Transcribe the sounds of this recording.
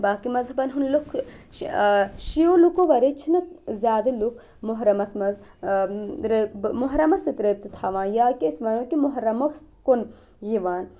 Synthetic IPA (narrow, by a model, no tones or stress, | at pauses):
baːkimɐzɦɐbɐnɦunlukʰ | ʃijoːlukoʋɐɾet͡ʃʰinɨkzʲjaːd̪ɐlukʰ | mʊɦɾɐmɐsmɐz | ɾemuɦɾɐmɐsit̪ɾeːp̚t̪it̪ʰaːʋãːjaːkiːsmɐnoːkimʊɦɾɐmɐks | kon | jiʋaːn